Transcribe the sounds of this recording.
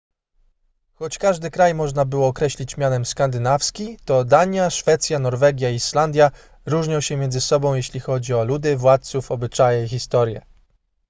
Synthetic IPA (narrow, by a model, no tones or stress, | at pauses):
xɔt͡ɕkaʐd̪ɘkɾajmɔʐnabɘwɔːkɾɛɕlʲit͡ɕmʲjanɛmskand̪ɘnafskʲit̪ɔd̪aɲjaʂfɛt̪sʲjanɔɾvɛɡʲjaiʂland̪ʲja | ɾuʐɲɔwɕɛmʲɛndzɘsɔbɔ̃w̃jeɕlʲixɔd͡ʑiɔlud̪ɘvwat̪̚sufɔbɘt͡ʂajɛixʲist̪ɔɾjɛ̰